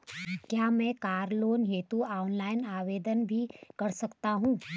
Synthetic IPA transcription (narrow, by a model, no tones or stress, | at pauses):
kjaːmɛ̃kaːɾloːnɦeːt̪uaːʊnlaːɪnaːʋeːd̪ənbʱikɐɾsɐkt̪aɦũː